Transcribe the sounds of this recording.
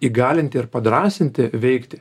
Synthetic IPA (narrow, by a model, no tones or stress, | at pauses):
iːɡɑːlʲɪnʲt̪ʲɪɪɾpɐd̪ɾɑːsʲɪnʲt̪ʲɪʋʲɛɪkt̪ʲɪ̥